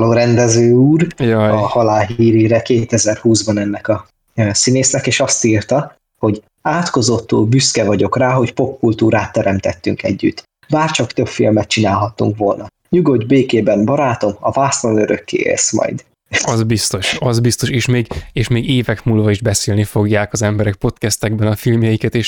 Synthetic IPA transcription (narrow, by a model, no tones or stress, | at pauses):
loːɾɛnd̪ɛzøːuːrjɒhɒlaːlɦiːɾiɾɛkeːt̪ɛzɛrhuːzbɒnɛnːɛkɒː | sineːsnɛkeːʃɒst̪iːrt̪ɒ | ho̞ɟ | aːt̪ko̞zo̞t̪ːuːlbyskɛvɒɟo̞kraːɦo̞cpo̞pːult̪uːɾaːt̪ːɛɾɛmt̪ɛt̪ːyŋkɛ̰ɟːy̰t̪ː | baːrt͡ʃɒkt̪øpfḭlmɛt̪̚t͡ʃinaːlɦɒt̪ːṵŋkʋo̞lnɒ | ɲuɡo̞d̪beːkeːbɛmbɒɾaːt̪o̞mɒ̰vaːslonøɾø̰kːḛːɛ̰smɒ̰jd̪ | ɒzbist̪o̞ʃɒzbist̪o̞ʃeːʃmeːɡeːʃmeːɡeːvɛkmuːlvɒiʒbɛseːlnifo̞ɡjaːkɒzɛmbɛɾɛkpo̞t̪kɛst̪ɛɡbɛnɒfilmjɛjikɛt̪eːʃ